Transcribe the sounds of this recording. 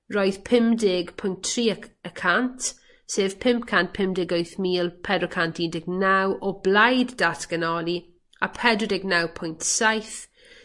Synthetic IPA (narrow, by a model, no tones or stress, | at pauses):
roːjð̥pʰɪmdɪɡpʰʊjntʰːriːəəkʰantʰ | seːv̥pʰɪmpkʰantpʰɪmdɪɡojθmiːlˠpʰɛdrɔkʰantʰindɪɡnawʔɔblajdːatʰɡ̥ənɔli | apʰɛdɔdɪɡnawpʰʊjntsajθ